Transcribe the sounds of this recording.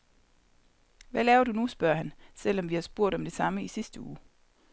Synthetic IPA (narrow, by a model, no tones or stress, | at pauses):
ʋælɛːʊɐd̥unusb̥ɶɐhænsel̰ɒ̽mʋihɑ̈sb̥o̝ɐ̰ɾ̥ɒ̽md̥e̝sɑ̈məisisd̥əuː